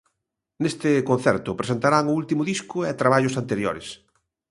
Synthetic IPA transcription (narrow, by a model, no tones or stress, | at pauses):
nest̪ɪkõn̟θɛɾt̪ʊpɾesent̪aɾaŋʊult̪imʊðiskʊɛt̪ɾaβaʎʊsant̪eɾjo̰ɾes